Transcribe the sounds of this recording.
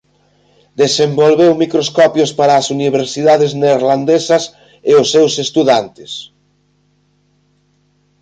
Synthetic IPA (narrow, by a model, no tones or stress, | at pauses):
d̪esembolβewmikɾoskɔpjospaɾaːsuniβ̞eɾsiðaðezneɾland̪esɐs | eosːewsest̪uðant̪e̥s